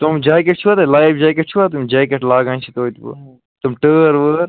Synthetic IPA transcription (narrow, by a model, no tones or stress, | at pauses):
t̪umd͡ʒaːkeʈ̚t͡ʃʰuat̪elaːjfd͡ʒaːkeʈ̚t͡ʃʰuat̪umd͡ʒaːkeʈlaːɡãːt͡ʃʰit̪oːit̪ː | t̪umʈəːɾʋəːɾ